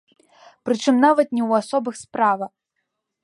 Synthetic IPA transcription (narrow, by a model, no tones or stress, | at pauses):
pɾɨt͡ʂɨmnavɐt̪nʲɛwasɔbɨxspɾavɐ